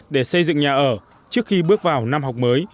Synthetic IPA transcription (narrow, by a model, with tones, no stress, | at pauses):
ɗe˧˩sə˧jzɨ̰˧˨ŋɲaː˨˩ʔəː˧˩ | t͡ɕɨ˦˥ək̚xi˧ɓɨ˦˥ək̚vaː˨˩wna˧mɦa˨˩wk͡p̚məː˨˦j